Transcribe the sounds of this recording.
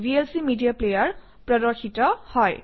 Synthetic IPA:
bʱielsimidijaplejaɹ | pɹɔdɔɹxʰitɔhɔj

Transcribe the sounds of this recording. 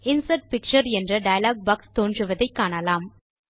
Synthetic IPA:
ɪnsɐʈ̚pɪk̚t͡ʃɐɾɛndrɐɖɐjɐlaːɡ̚bɐkst̪oːndrɯʋɐðɐɪkːaːɳɐlaːm

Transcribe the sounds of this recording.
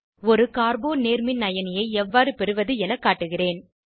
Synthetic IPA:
ɔɾɯkaːɾboːneːɾmɪnːɐjɐnɪjɐɪɛʋːaːɾɯpɛɾɯʋɐðɯɛnɐkːaːʈːɯɣɪreːn

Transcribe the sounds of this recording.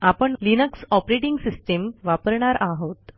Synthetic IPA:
apəɳlinəksɔpɾeʈiŋɡsisʈemʋapəɾɳaɾʔaɦot̪

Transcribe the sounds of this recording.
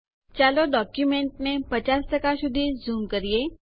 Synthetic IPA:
t͡ɕaloɖɔkjumeɳʈnepət͡ɕasʈ̪əkasud̪ʱiːd͡zuːmkəɾije

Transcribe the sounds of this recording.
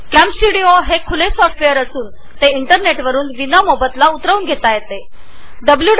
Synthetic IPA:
kæmsiɽioɦekʰulesɔfʈfejəɾəsuːn | t̪eiɳʈəɾneʈʋəɾuːnʋinamobət̪laut̪ɾəuːnɡʱet̪ajet̪e | ɖəblju

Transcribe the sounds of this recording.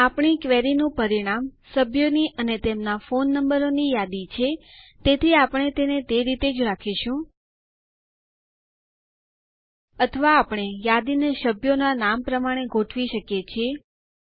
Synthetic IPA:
apɳ̃ikʋeɾinũpəɾiɽ̃amsəbʱjoniʔənet̪emnafonːəmbəɾonijad̪it͡ʃʰet̪et̪ʰiapɳ̃et̪enet̪eɾit̪ed͡ʒɾakʰiʃũ | ət̪ʰəʋaːpɳ̃ejad̪ineʃəbʱjonanampɾəmaɽ̃eɡʱoʈʰʋiʃəkjet͡ʃʰie

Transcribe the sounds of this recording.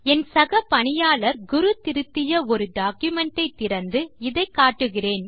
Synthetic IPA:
ɛnsɐɣɐpɐɳɪjaːɭɐɾɡʊɾɯt̪ɪɾɯt̪ːɪjɐɔɾɯɖaːkjʊmɛɳʈːɐɪt̪ːɪɾɐnd̪ɯɪðɐɪkːaːʈːɯɣɪreːn

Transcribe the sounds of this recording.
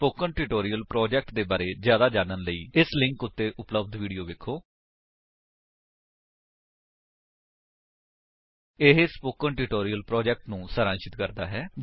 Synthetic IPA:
poːkəɳʈɪʈoːɾijəlpɾɔːd͡ʒɛːk̚ʈd̪eːbaːɾeːzjaːd̪aːd͡ʒaːnənləḭːɪslɪ̃ŋkʊt̪ːeːʔʊpləbd̪ʋiːɖijoːʋeːkʰːoː | ɪɦspoːkəɳʈɪʈoːɾiːəlpɾɔːd͡ʒɛːk̚ʈnũːsəɾãːnʃɪt̪kəɾd̪a̰ːɦɛː

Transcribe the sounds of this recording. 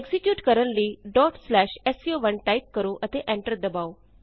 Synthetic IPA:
eɡzikjuːʈkəɾəɳliːɖɔːʈslɛːʃesijoʋənʈaip̚kəɾoʔət̪eʔɛ̃ɳʈəɾd̪ɐbao

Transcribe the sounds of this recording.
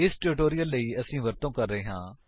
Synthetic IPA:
ɪsʈɪɾɪʈoːɾijəlːəiːəsĩːʋəɾt̪õːkəɾːəeːɦãː

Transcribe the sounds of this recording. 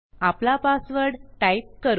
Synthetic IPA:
aplapasʋəɾɽʈajp̚kəɾu

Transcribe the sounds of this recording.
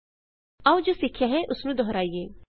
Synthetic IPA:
aũd͡ʒoːsɪkʰːjaɦɛʔʊsnũːd̪ɔɦɾaːijeː

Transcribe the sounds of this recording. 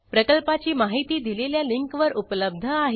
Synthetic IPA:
pɾəkəlpat͡ɕiːmaɦit̪iːd̪ileljaliŋkʋəɾupləb̚d̪ʱəaɦe

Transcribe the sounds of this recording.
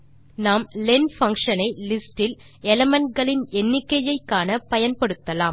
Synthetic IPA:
naːmlɛnfɐŋkʂɐnɐɪlɪsʈɪl | ɛlɐmɐnɡɐɭɪnɛnːɪkːɐjɐɪkːaːnɐpɐjɐnpɐɽɯt̪ːɐlaːm

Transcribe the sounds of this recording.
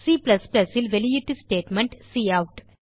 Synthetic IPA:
siːplɐsplɐsɪlʋɛlɪjɪʈːɨsʈeːʈmɛɳʈsiːɐʊʈ

